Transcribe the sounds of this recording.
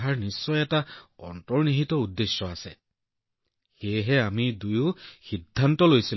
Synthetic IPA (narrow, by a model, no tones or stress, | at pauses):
ɦaɹnisːɔjɛtaɔ̰ntɔɹniɦitɔudːesjɔasɛ̰ | xejɦɛamidujʊxidʱːantɔlojsil